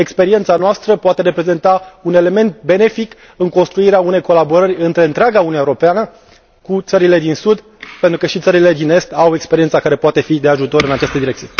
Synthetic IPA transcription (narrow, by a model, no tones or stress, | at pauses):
e̞kspe̞ɾie̞nt̪sanoast̪ɾəpoat̪e̞ɾe̞pɾe̞ze̞nt̪aune̞le̞me̞nt̪̚be̞ne̞fik | ɨŋko̞nst̪ɾuiɾeaune̞jko̞labo̞ɾərʲɨnt̪ɾe̞ɨnt̪ɾeaɡaunueoɾo̞peanə | kut̪səɾile̞d̪insud̪ | pe̞nt̪ɾukəʃit̪səɾile̞d̪ine̞st̪awe̞kspe̞ɾiet̪sakaɾe̞poat̪e̞fid̪e̞aʒut̪o̞ɾɨnat͡ʃast̪əd̪iɾekt̪ije̞